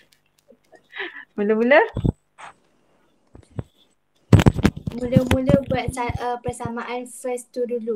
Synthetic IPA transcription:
muləmulə | mũləmũləbuat̪̚t͡ʃaəpərsamãʔanfəst̪udulu

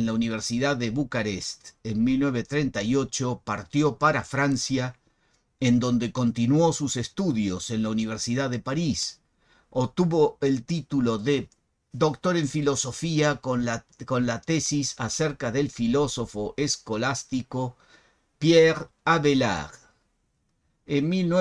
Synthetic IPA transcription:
nlauniβ̞eɾsiðaðeβukaɾest̪enmilnweβ̞e̞t̪ɾe̞nt̪ajo̞t͡ʃo̞paɾt̪jo̞paɾafɾansja | end̪o̞nd̪e̞ko̞nt̪inwo̞susest̪uðjo̞se̞nlauniβ̞eɾsiðaðepaɾis | ot̪uβo̞elt̪it̪ulo̞ðe | ðo̞kt̪o̞ɾe̞ɱfilo̞so̞fiaoako̞nlat̪esisaseɾkaðe̞lfilo̞so̞fo̞ʔesko̞last̪iko̞ | pjeɾaβela̰ɣ | enmilne

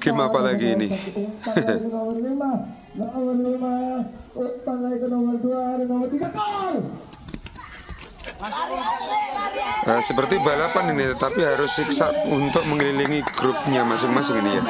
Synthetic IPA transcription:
ɡ̥əmapalaɡiːnɪaikənowarlima | naʔwərlima | paŋaikənowərduaɾeŋowərt̪iɡat̪al | əsəpərt̪ibalapaninɪht̪ət̪apiɦaɾʊsːiksaʔunt̪ʊk̚məŋliliŋiɡ̥ɾʊp̚ɲamasɪŋmasɪŋinija̰

